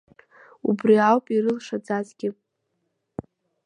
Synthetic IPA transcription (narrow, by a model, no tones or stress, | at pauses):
ubriawpʼiɾɨlʂad͡zazɡʲɪ